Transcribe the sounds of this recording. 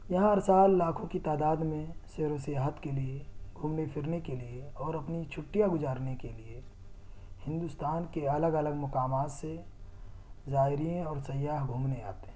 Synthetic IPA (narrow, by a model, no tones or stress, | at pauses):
jɐɦãɐɾsaːlːaːkʰõkit̪aːd̪aːd̪mẽseːɾosijaːɦət̪kelieɡʱuːmnepʰɪɾnekelieɔːɾɐpnit͡ʃʰʊʈːijaɡʊd͡ʒaːɾnekelie | hɪ̃nd̪ʊst̪aːnkeɐləɡɐləɡmʊkaːmaːt̪se | zaːɪɾijẽɔːɾsɐjaːɦɡʱuːmnea̰ːt̪e̥